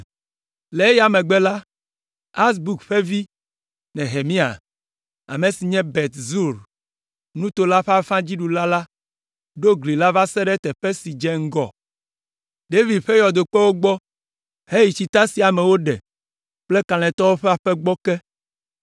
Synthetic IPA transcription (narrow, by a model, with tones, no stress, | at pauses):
le˨e˦ja˨mɛ̃˨ɡ͡bɛ˦la˦ | a˦s̬bu˨kɸe˦vi˦ | nɛ̃˨ɦe˨mĩ˦a̰˨ | a̰˨mẽ˨si˨ɲɛ̃˦bɛ˨t̪zu˦˨ɾ | nũ˦t̪o˨la˦ɸa˦fã˦d͡ʑi˦ɖu˨la˦la˦ | ɖo˦ɡli˨la˦va˦sɛ˦ɖɛ˦t̪ɛ˨ɸɛ˦si˨d͡ʒɛ˦ŋ̩˦ɡɔ˨ | ɖe˦vi˨dɸe˦jɔ˨d̪o˨k͡pɛ˦wo˦ɡ͡bɔ˦ | he˦ji˨t͡ɕi˨t̪a˦si˨a˨mɛ˨wo˦ɖɛ̰˨ | k͡ple˦kã˨l̃ɛ̃˨t̪ɔ˦wo˦ɸɛ˦a˨ɸɛ˦ɡ͡bɔ˦kɛ˦